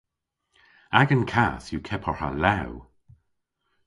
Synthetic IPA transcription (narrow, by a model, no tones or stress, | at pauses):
aɡənkʰaθjukʰɛpʰɔɹa̰law